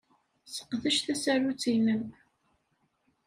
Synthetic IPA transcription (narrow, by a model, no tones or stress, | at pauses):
sə̥qðəʃθæsæɾut͡sːinəm